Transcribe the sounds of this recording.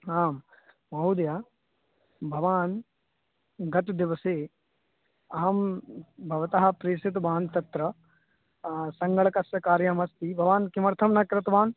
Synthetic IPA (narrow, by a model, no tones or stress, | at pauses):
aːm | mɐud̪ja | bʱɐʋaːn | ɡɐt̪d̪iʋɐseː | ɐːɐmbʱɐʋɐt̪ɐɦɐ̆pɾeːsit̪baːnt̪ɐt̪ɾɐ | sɐŋɡɐɭɐkɐsjɐkaːɾjɐmɐst̪ibʱɐʋaːnkimɐɾt̪ʰɐmnɐkɾɐt̪ɐʋaːn